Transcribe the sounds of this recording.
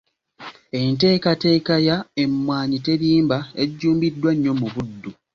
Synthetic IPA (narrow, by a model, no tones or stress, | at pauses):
e̞nte̞ːkate̞ːkajaemːwaːɲite̞ɾiːmbaeɟːuːmbidːwaɲːo̞muβudːu